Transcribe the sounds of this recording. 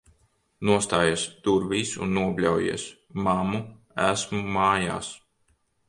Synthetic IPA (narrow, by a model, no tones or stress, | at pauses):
nuɔst̪aːjast̪uɾviːsṵnːuɔblʲawjḭɛs | mamu | æsmumaːja̰ːs